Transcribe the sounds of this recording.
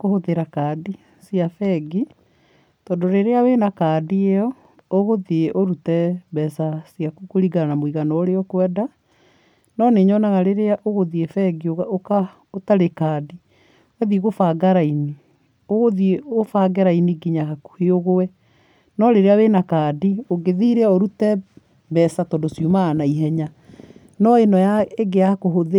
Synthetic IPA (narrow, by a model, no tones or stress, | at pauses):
kohoðeɾakaːdi | siafɛɡi | tɔːndoɾeɾeawenakaːdieɔ | oɣoðeeʔoɾutɛbɛsasjakukoɾiɡanamoiɣanɔoɾeɔkwɛda | nɔneɲɔnaɣaɾeɾeaʔoɣoðiefɛɡiooka | otaɾekaːdi | wɛðiɣofaɡaɾaini | oɣoðieofaɡɛɾainiɡiɲahaku̥heoɣowɛ | nɔɾeɾeawenakaːdioɡeðiɾɛoɾutɛ | bɛsatɔndosjumaːnaiɦɛɲa | nɔenɔjaeɡeakoɦoð